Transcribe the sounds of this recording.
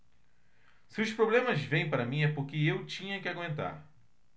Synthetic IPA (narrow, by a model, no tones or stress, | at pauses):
sɪʊspɾoblẽmɐzvẽj̃paɾɐmĩɛpʊɾkɪewt͡ʃĩɲɐkɪaɡwẽnt̪a̰ɾ